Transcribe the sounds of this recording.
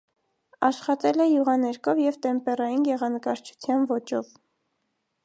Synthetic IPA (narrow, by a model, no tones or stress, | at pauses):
ɑʃχɑt̪ɛlɛjuʁɑnɛɾkʰɔvjɛvt̪ɛmpɛɾɑjinjɛʁɑnəkɑɾt͡ʃʰu̥t͡s̪ʰjɑnvɔt͡ʃɔv